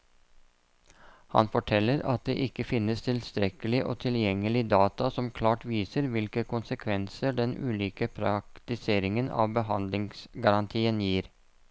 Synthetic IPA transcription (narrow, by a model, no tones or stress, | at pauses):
hɑ̰nfɔʈʰɛlːəɾɑ̰t̪̚d̪ḛːʔɪkːəfɪnːəst̪ʰɪlst̪ɾɛkəlɪʔo̰ːt̪ʰɪljɛŋːəlɪd̪ɑːt̪ɑsɔmkʰlɑːʈʋiːsəɾʋɪlkəkʊnsəkʰʋɛnsəɖɛnʉ̰ːliːkəpʰɾɑkt̪ɪseːɾɪŋənɑ̰ːʋbəɦɑnd̪lɪŋsɡɑɾɑnt̪ʰiːənjiːɾ